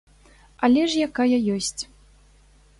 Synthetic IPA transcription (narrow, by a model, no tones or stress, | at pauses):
alʲɛʂjakajɐjɔsʲt͡sʲ